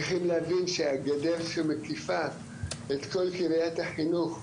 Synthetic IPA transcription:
iχimleavinʃeaɡad̪eʁʃumekifa | et̪ko̞lkiʁiat̪haχinuχ

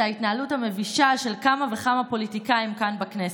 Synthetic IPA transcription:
ait̪naaluthame̞viʃaʃe̞lkamaveχamapolitikaimkanbaknes

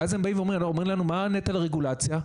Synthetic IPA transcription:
azembaimveomʁimanaxomʁimlanumanet̪alʁeɡulat͡sja

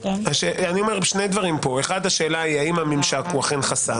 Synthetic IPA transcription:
aʃeaniomeʁbʃne̞jd̪vaʁimpo̞eχad̪haʃe̞ːlaiaimamimʃakuaχenχasa̰

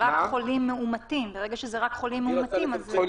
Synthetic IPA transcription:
akχo̞limːeumat̪imbeʁeɡaʃezeʁakχo̞limːeumat̪imaz

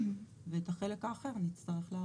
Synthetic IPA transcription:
veet̪aχe̞le̞kaːχe̞ʁnit͡st̪ɐʁe̞χlea

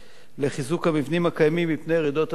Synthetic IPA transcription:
le̞χizukhamivnimakajamimːipnejʁed̪o̞t̪

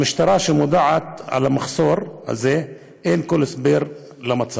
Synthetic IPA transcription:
mɪʃt̪aɾaʃemud̪aʕat̪ʕa̰lamaxsoɾha̰ze | ʔenkolɪsbeɾ | lamat͡sa

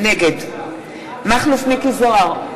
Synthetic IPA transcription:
neɡed̪ | maχlufnekizoa

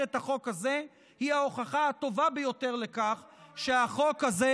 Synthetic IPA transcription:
ethaχo̞kaze̞ | hiaoχaχaat̪o̞vabejo̞te̞ʁle̞kaχʃeaχo̞kaze

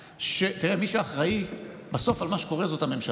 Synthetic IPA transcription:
ʃetiʁe̞miʃeaχʁai | baso̞falmaʃe̥ko̞ʁe̞zo̞tame̞mʃa

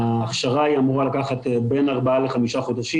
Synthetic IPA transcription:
aːχʃaʁaiamuʁalakaχatebe̞naʁbaaleχamiʃaχo̞d̪aʃi

